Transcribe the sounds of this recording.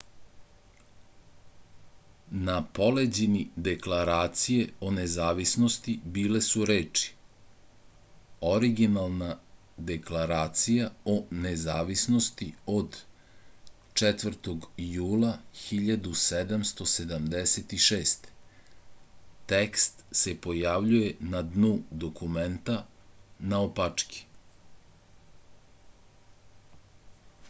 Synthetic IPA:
napo̞led͡ʑenid̪eklaɾaːt̪sijeo̞nezaːʋisno̞st̪ibiːle̞suɾeːt͡ʃi̥ | o̞ɾiɡinalˠna | d̪eklaɾaːt̪sijaonezaːʋisno̞st̪io̞d̪ | t͡ʃɛt̪ʋr̩t̪oɡjuːlˠaxiʎad̪used̪amst̪o̞se̞d̪amd̪eset̪iʃeːst̪ | t̪ekst̪se̞po̞jaʋʎujenad̪nud̪okʰument̪anaopat͡ʂki̥

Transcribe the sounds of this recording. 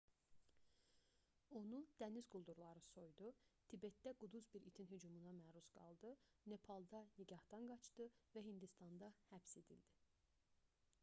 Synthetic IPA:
o̞nund̪̥ænizɡulˠd̪uɾlˠɑɾɯso̞jd̪ut̪ʰibe̞t̪̚d̪æɡud̪uzbiɾit̪ʰinɦyd͡ʒumunɑmæɾusɡ̥ɑ̰lˠd̪ɯ | ne̞pʰɑlˠd̪ɑniɟɑhd̪ɑnɡɑt͡ʃd̪̥ɯvæɦind̪ist̪ɑnd̪ɑhæbse̞d̪ḭld̪̥i

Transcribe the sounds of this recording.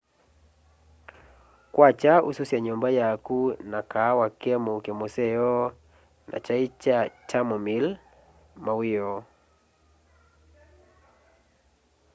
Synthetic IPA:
kwat͡ʃaṵsusiaɲɔmbajakunakawakɛɛmɔkɛmɔsɛjɔ | nʔa̰t͡ʃait͡ʃat͡ʃʰamɔmil | mawiɔ

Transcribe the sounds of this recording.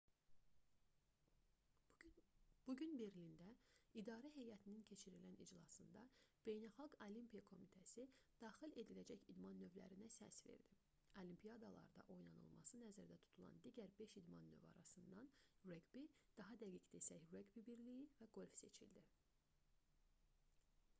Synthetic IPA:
b̥uɟynbiɾlind̪æid̪ɑːɾæɦe̞jæt̪ʰinincʰe̞t͡ʃʰiɾilænid͡ʒlˠɑsɯnd̪ɑb̥e̞jnælˠxɑɡolimpijɑkʰo̞mit̪ʰæsid̪̥ɑːxile̞d̪ilæd͡ʒæçid̪mɑnːøvlæ̰ɾinæsæ̰sve̞̰ɾd̪̥i | olimpʰijɑd̪ɑlˠɑ̰ɾd̪ɑ̰ʔo̞jnɑnɯ̰lˠmɑ̰sɯnæzæɾd̪æt̪ʰu̥t̪ʰulˠɑ̰nd̪iɟæɾbe̞ʃid̪mɑnːø̰vɑ̰ɾɑsɯnd̪ɑnɾeɡbid̪̥ɑɦɑd̪æɡicd̪esæçreɡbibiɾlijivæɡo̞lʲfse̞t͡ʃʰḭld̪i

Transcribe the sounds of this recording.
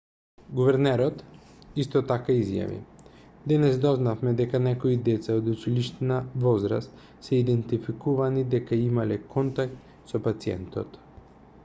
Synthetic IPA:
ɡuvɛɾnɛɾɔt̪ | ist̪ɔt̪akaizja̰vḭ | d̪ɛnɛsd̪ɔznafmɛd̪ɛkanɛkɔid̪ɛt̪saod̪ut͡ʃiliʃt̪ɛnavɔzɾa̰st̪ | sɛid̪ɛnt̪ifikuvanid̪ɛkaimalɛkɔnt̪ak̚t̪ | sɔpat̪siɛ̰nt̪ɔ̰t̪

